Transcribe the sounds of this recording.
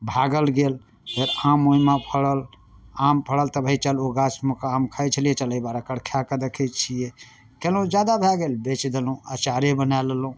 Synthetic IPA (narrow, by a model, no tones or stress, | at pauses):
bʱaɡəlɡel | ɡeɾamoimapʰəɽəl | ampʰəɽəlt̪əbʱəit͡ʃəloɡat͡ʃmekamkʰəjt͡ʃʰəliet͡ʃələibaɾakəɽkʰjakəd̪əkʰɛt͡ʃʰije | kelũd͡ʒjad̪abʱɛɡelbet͡ʃd̪elũə̰t͡ʃaɾebənallũ